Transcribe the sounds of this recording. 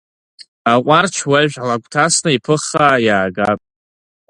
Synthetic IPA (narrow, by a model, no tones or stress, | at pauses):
aqʷʼart͡ʃʰwaʒᶣalakʷʰʼtʰasnaipʰɨχajaːɡapʼ